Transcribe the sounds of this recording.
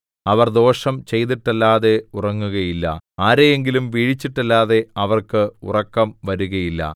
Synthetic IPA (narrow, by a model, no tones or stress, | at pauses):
ɐʋɐrd̪o̞ːʂɐmt͡ɕe̞jt̪̬iʈːɐlːaːðe̞urɐŋːuɣɐjilːɐ̰aːɾejeŋɡilumʋiːɻit͡ɕːiʈːɐlːaːðe̞ɐʋɐrkɨṵrɐkːɐmʋɐɾuɣɐjilːɐ̰